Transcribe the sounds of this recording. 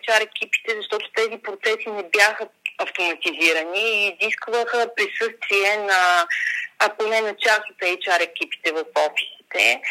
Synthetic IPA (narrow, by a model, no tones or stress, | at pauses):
t͡ʃaɾɛk̟ʲipi̥t̪ɛzɐʃt̪ɔt̪o̥t̪ɛzipɾot̪sɛsinɛbjaxəɐft̪omɐt̪iziɾəniːziskvəxəpɾisɤst̪viɛnɐː | konɛnɐt͡ʃasot̪ɛt͡ʃaɾɛkʲipi̥t̪ɛvɐfɔfi̥si̥t̪ɛ